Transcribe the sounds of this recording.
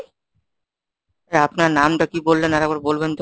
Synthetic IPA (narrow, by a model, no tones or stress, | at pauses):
eapnaɾnamʈakibolːenɛɾɛɡ̚baɾbolbent̪